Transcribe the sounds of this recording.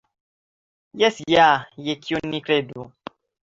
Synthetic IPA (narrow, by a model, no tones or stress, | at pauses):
jɛsijajekʰionĩkɾedu